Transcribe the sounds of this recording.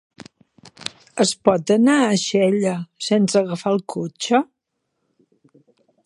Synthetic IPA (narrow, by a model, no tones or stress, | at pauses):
əspɔt̪ənaəʃɛʎəsensəɣəfalˠkʰot͡ʃə